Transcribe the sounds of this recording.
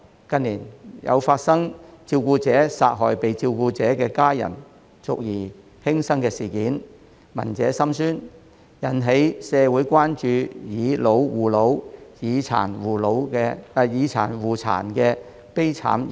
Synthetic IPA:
kɐ˧nliː˨˩njɐ̰˨˧wfaː˧t̚sɐ˥ŋt͡siː˧wkuː˧t͡sɛː˨˥sa̰ː˧t̚ɦɔ̰ː˨˩jpe˨jt͡si˧wkuː˧t͡sɛː˨˥kɛː˧kaː˥jɐ̰˨˩n | t͡sʊ̰˨k̚jiː˨˩ | hɪ˥ŋsɐ˥ŋkɛː˧siː˨˩kiː˨˥n | mɐ̰˨˩nt͡sɛː˨˥sɐ˥msyː˥n | jɐ˨˩nɦe˨˥jsɛː˨˧wuː˨˥jkʷaː˥nt͡ʃyː˨˧jiː˨˧lo˨˧wwuː˨˩lo˨˥wjiː˨˧t͡sʰa̰ː˨˩nwuː˨lo˨˥wkɛ˧a˨jiː˨˧t͡sʰa̰ː˨˩nwuː˨t͡sʰa̰ː˨˩nkɛː˧ | pe˥jt͡sʰa̰ː˨˥m

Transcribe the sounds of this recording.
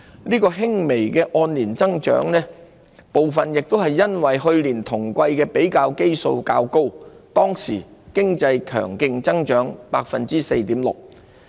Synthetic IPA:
niː˥kɔː˧ɦɪ˥ŋme˨˩jkɛː˧ʔɔː˧nliː˨˩nt͡sɐ˥ŋt͡ʃœ̰ː˨˥ŋnɛː˥ | po˨wfɐ˨njɪ˨k̚t̪o˥wɦɐ˨jːɐ˥nwɐ˨jɦɵ˧ɥliː˨˩nt̪ʰʊ˨˩ŋkʷɐ˧jkɛː˧pe˨˥jkaː˧wke˥jso̰˧wkaː˧wko˥w | t̪ɔː˥ŋsḭː˨˩kɪ˥ŋt͡sɐ˧jkʰœ̰ː˨˩ŋkɪ˧ŋt͡sɐ˥ŋt͡ʃœː˨˥ŋpaː˧k̚fɐ̰˨nt͡siː˥se˧jt̪iː˨˥mlʊ̰˨˩k̚

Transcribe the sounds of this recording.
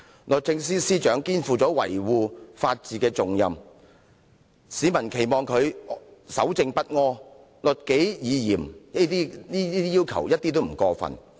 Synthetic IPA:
lɵ˨t̚t͡sɪ˧ŋsiː˥siː˥t͡ʃœː˨˥ŋkiː˥nfuː˨˧t͡sɔː˨˥wɐ̰˨˩jwuː˨˧faː˧t̚t͡siː˨˩kɛː˧t͡sʊ˨ŋjɐ˨m | siː˨˧mɐ˨˩nkʰe˨˩jmɔː˨ŋkʰɵ˨˧ɥsɐ˨˥wt͡sɪ˧ŋpɐ˥t̚ŋɔː˥ | lɵ˨t̚ke˨˥jjiː˨˧jiː˨˩mi˥t̪iː˥niː˥iː˥t̪iː˥jiː˥wkʰɐ̰˨˩wjɐ˥t̚t̪iː˥t̪o˥wm̩˨˩kɔː˧fɐ̰˨n

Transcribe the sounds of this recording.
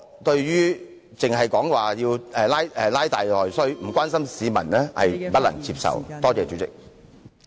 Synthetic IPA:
t̪ɵ˧ɥjyː˥ | t͡sɪ˨ŋɦɐ˨˩jkɔː˨˥ŋwaː˨jiː˧wɛː˨laː˥jɛ˨˧laː˥jt̪aː˨jlɔː˨˩jsɔ˥m̩˨˩kʷwʷaː˥nsɐ˥msiː˨˧mɐ̰˨˩nlɛː˥hɐ̰˨jpɐ˥lɐ̰˨˩ŋt͡siː˧p̚sɐ̰˨wt̪ɔː˥t͡sɛː˨˧t͡ʃy˨˥t͡sɪ̰˨k̚

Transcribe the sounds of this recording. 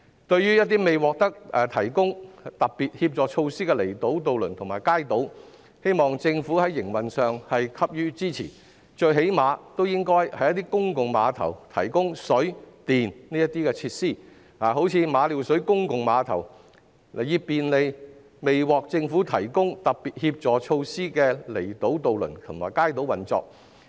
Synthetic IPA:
t̪ɵ˧ɥːyː˥jɐ˥t̪̚i˥me˨jwɔː˨k̚t̪ɐ˥k̚ɛ˨˧t̪ʰɐ˨˩jkʊ˥ŋt̪ɐ˨k̚piː˨t̚hiː˧p̚t͡sɔː˨t͡ʃʰo˧wsiː˥kɛ˧le˨˩jt̪o˨˥wt̪o˨wlɵ˨˩nt̪ʰʊ˨˩ŋmaː˨˩jkaː˥jt̪o˨˥w | he˥jmɔː˨ŋt͡sɪ˧ŋfuː˨˥hɐ˨˥jːɪ˨˩ŋwɐ˨nsœː˨ŋhɐ˨jkʰɐ˥p̚jyː˥t͡siː˥t͡sʰḭː˨˩ | t͡ʃɵ˧ɥɦe˨˥jmaː˨˧t̪o˥wjɪ˥ŋkɔː˥jhɐ˨˥jɐ˥t̪iː˥kʊ˥ŋkʊ˨ŋmaː˨˧t̪ʰɐ̰˨˩wt̪ʰɐ̰˨˩jkʊ˥ŋsɵ˨˥ɥt̪iː˨nniː˥jɐ˥t̪iː˥kɛː˧t͡sʰiː˧t̚siː˥˩ | aː˨˩ɦo˨˥wt͡sʰiː˨˧maː˨˧liː˨˩wsɵ˨˥ɥkʊ˥ŋkʊ˨ŋmaː˨˧t̪ʰɐ̰˨˩w | le˨˩jiː˧piː˨nle˨˧j | me˨jwɔː˨k̚t͡sɪ˧ŋfuː˨˥t̪ʰɐ˨˩jkʊ˥ŋt̪ɐ˨k̚piː˨t̚hiː˧p̚t͡sɔː˨˥t͡ʃʰo˧wsiː˥kɛː˧le˨˩jt̪o˨˥wt̪o˨wlɵ̰˨˩nt̪ʰʊ˨˩ŋmaː˨˩jkaː˥jt̪o˨˥wɐ˨˩nt͡sɔ̰ː˨˧k̚

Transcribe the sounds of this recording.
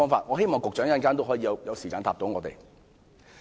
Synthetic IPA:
ɔː˥ŋfaː˧t̚ŋɔː˨˧he˥jmɔː˨ŋkʊ˨k̚t͡ʃœː˨˥ŋjɐ˨˥nkaː˥nt̪o˥wɦɔː˨˥jiː˨˧jɐ˨˧wjɐ˨˧wsiː˨˩kaː˨˧nt̪aː˧p̚t̪o˨˥wŋɔː˨˧t̪ḛ˨j

